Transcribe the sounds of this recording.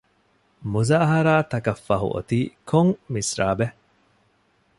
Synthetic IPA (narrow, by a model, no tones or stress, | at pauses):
muzaːɦɐɾaːt̪ɐkɐfːɐɦṵʔo̰t̪iːkʰoŋmisɾa̰ːbe